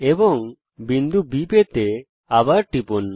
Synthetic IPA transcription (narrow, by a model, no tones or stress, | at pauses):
ebɔŋ | bind̪ubipɛt̪e | abaʈipun